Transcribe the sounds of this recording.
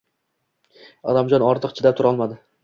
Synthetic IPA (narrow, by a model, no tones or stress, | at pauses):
ɒ̰d̪amd͡ʒɒnɒɾt̪ʰɨqt͡ʃʰɪd̪ap̚t̪ʰʊɾɒlˠmad̪ɪ